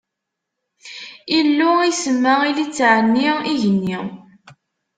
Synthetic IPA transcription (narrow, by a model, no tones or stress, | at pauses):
ilːʊisəmːailit͡sːʕənːiiʝənːi